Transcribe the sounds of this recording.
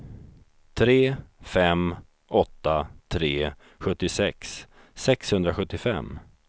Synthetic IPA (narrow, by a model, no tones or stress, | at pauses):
t̪ʰɾeːfɛm | ʔɔt̪ːat̪ʰɾeː | ɧɵt̪ːɪsɛks | sɛkshɵnd̪ɾaɧɵt̪ːɪfɛ̰mː